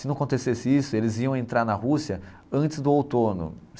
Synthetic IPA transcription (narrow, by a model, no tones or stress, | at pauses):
ɪnɐ̃w̃ɐkõnt̪esesɪisʊelɪziɐ̃w̃ẽnt̪ɾaɾnɐɦusiɐ | ɐ̃nt͡ʃɪzd̪ʊowt̪õnʊ̰